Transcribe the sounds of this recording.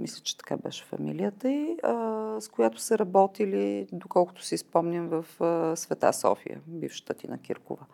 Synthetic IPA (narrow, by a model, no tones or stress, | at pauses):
mislʲə̥t͡ʃɛ̥t̪ɐ̥ka̰bɛ̰ʃɛ̥fɐ̰milijət̪əiəskojat̪ʊ̥səɾɐbɔt̪ilid̪okɔlˠkʊ̥t̪ʊ̥sispɔmnʲimvəfəsvɛt̪a̰sɔ̰fḭjə̰bifʃə̥t̪ət̪inɐ̰kḭɾkʊ̰və